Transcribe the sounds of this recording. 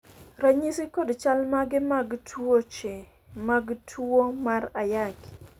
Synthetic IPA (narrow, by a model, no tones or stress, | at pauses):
ɾaɲisikɔdt͡ʃalmaɡɪmaɡtʰwot͡ʃe | maɡtʰomaɾajak